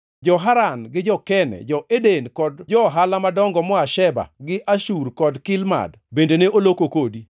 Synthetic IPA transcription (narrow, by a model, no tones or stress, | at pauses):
d͡ʒɔɦaɾanɡɪd͡ʒɔkɛnɛ̰d͡ʒɔʔedenkɔdd͡ʒɔɦalamadɔŋɡɔmɔaʃɛba̰ɡɪʔaʃuɾkɔdkɪlma̰d | bendeneʔolokokodi